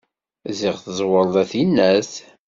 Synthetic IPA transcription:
ziʁθəzˤwəlˤæθinːæs

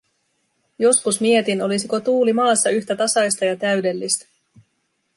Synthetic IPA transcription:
jo̞skusmie̞t̪ino̞lisiko̞t̪uːlimɑːsːɑyçt̪æt̪ɑsɑjst̪ɑjɑt̪æɥde̞lːist̪æ̥

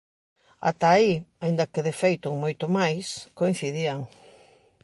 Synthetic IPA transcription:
a̰t̪aiaind̪ɐkeðefejt̪ʊŋmojt̪ʊmajskoĩn̟θiðiaŋ

